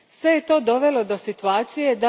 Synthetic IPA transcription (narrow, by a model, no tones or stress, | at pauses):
sʋe̞je̞t̪o̞ːd̪o̞ʋe̞lo̞d̪o̞sit̪uaːt̪sije̞d̪a